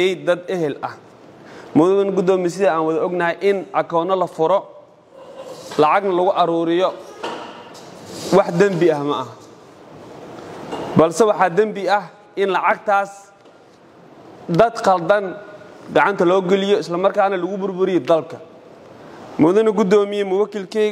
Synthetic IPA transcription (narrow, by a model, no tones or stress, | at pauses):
ɛjd̪ɐd̪ɛɦɛlɐh | mʊðɐɐnɡʊd̪ɔːmis̬ɪðɐaːnwɐðɐɔɡnɐɦɛjʔɪnʔɐkʰɔːnɐlɐfʊɾɔ | lɑʕɑɡnɐlʊɣʊʔɐɾuːɾɪjɔ | wɑħd̪ɐmbɪɐhmɐʔɐɦ | bɐlsɛwɑħɑːd̪ɐmbɪɐh | ʔɪnlɑʕɑɡ̚t̪ʰaːs | d̪ɐd̪qɐld̪ɐnɡɑʕɑnt̪ʰɐlɔːɡɛlɪjɔɪslɐmɐrkʰaːnɐlʊɣʊbʊrbʊɾɪjɛd̪ɐlbkʰɐ | mʊðɐnɐɡʊd̪ɔːmɪjɛmʊwɐkilkʰɛ